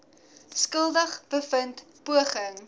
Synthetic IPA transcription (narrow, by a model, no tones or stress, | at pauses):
skəlˠdəχb̥əfənt | puəχəŋ